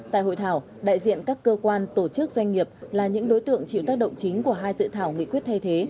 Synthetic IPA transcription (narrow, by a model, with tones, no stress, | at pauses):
t̪a̰ː˧˨jho̰˧˨jt̪ʰaː˧˩w | ɗa̰ː˧˨jzḭ˧˨ənkaː˦˥kːəː˧kwaː˧nt̪o˧˩t͡ɕɨ˦˥k̚zwa˧jŋ̟ŋi˨˩əp̚laː˨˩ɲɨ̰˧˥ŋɗo˨˦jt̪ɨ̰˧˨əŋt͡ɕḭ˧˨wt̪aː˦˥k̚ɗə̰˧˨ŋ͡mt͡ɕï˨˦ŋ̟ku˧˩əɦaː˧jzɨ̰˧˨t̪ʰaː˧˩wŋḭ˧˨kwi˦˥ət̚t̪ʰa˧jt̪ʰe˨˦